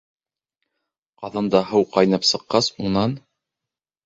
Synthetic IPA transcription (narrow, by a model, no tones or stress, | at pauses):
qɑðɑnd̪ɑɦɤwqɑjnɑpsɤ̆qːɑsuɴnɑn